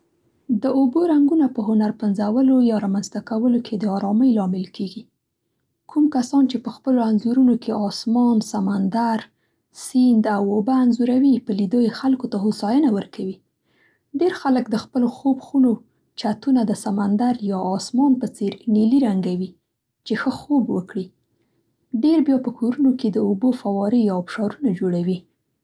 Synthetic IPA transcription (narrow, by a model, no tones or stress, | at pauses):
d̪əoboɾaŋɡunapəɦʊnaɾpənzawəlojɑɾɑmanzt̪akawəlokʰed̪əɑɾɑməjlɑmɪlkʰeɡi | kʰumkasɑnt͡ʃepəxpəloanzuɾunokʰeɑsmɑnsamand̪aɾ | sind̪awobaːnzuɾawipəlid̪ojexalkot̪aɦosɑjənawəɾkʰawi | ɖeɾxaləkd̪əxpəloxobxuno | t͡ʃat̪unad̪əsamand̪aɾjɑɑsmɑnpət͡seɾneliɾaŋɡawi | t͡ʃexəxobwəkɽi | ɖeɾbjɑpəkʰoɾunoked̪əobofawɑɾijɑbʃɑɾunad͡ʒoɽawi